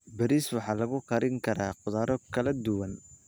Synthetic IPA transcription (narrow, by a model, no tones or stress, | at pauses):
bɐɾiːswɑħɑːlɐɣʊkʰɐɾɪŋkʰɐɾaːqʊðaːɾɔkʰɐlɐd̪ʊwɐn